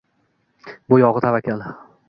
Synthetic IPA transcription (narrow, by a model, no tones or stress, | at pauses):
bʊjɒʁɨt̪ʰavakʲal